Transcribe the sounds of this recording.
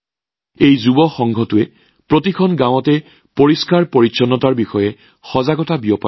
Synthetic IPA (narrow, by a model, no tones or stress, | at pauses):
ejzubɔxɔŋɡʱɔtʊɛ | pɹotikʰɔnɡãwɔtɛ | poɹiskaɹpoɹisɔnːɔtaɹbixɔjɛ | xɔzaɡɔtabiɔpa